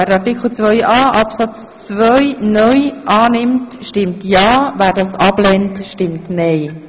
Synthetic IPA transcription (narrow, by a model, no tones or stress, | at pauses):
æːɾɑɾtɪkʰl̩ˠt͡sʋœʏʔɑːʔɑpsɑt͡s | t͡svœjnœjʔɑːnɪmtʃtɪmtjɑːvæːɾdɑːsɑb̥lɛntʃtɪmtnɛj